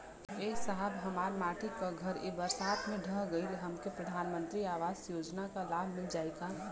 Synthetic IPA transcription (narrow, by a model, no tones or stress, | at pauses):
eːsəɦəbɦəmaːɾmaːʈikaɡʱəɾebəɾsaːt̪mẽɖʱəɦɡəilɦəmkepɾəd̪ʱaːnmə̃nt̪ɾiaːʋaːzjoːd͡ʒnakalabʱmɪld͡ʒaːeɡa